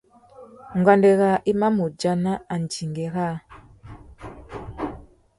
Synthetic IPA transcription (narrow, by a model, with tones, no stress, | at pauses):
ŋɡwa˨ndɛ˨ɣa˨ʔi˦ma˦mu˨d͡ʒa˨na˦a˨n˨d͡ʒi˨ŋɡɛ˨ɣa˦